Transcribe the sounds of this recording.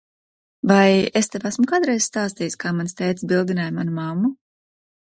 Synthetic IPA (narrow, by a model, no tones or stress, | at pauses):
vajest̪evæsmukaːd̪ɾɛjz̥st̪aːst̪ijskaːmanst̪ɛjt̪sbilˠd̪inajmanumamːu